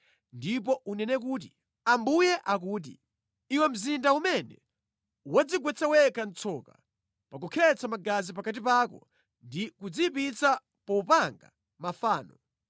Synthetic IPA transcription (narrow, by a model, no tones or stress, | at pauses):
ndip̬ɔʔunɛnɛk̬uːt̬i | ambujɛʔak̬uːt̬ḭ | iwɛm̩zindaumɛnɛ | wad͡ziɡwɛt͡sawɛkan̩t͡sʰɔka̰ | pakukʰɛt͡samaɡazip̬akat̬ipakɔ̰ | ndikud͡zipit͡sa | pɔupaŋɡa̰ | mafaːnɔ